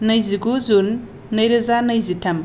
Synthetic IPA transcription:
nɐjziɡuzunː | əjɾɐzanɐjzitʰɐm

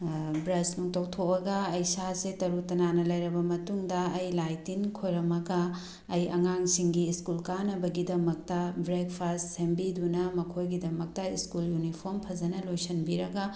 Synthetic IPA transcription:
bɾɐsnuŋtɐwtʰokɐɡɐːjsasetɐɾutɐnanɐlɐjɾɐbɐmɐtuŋdɐːjlajtinkʰojɾɐmɐɡɐː | jɐŋaŋsiŋɡiːskulkanɐbɐɡidɐmɐk̚tɐbɾekpʰastsembidunɐmɐkʰojɡidɐmɐk̚tɐiskuljunipʰoɾmpʰɐzɐnɐlojsɐnbiɾɐɡɐ

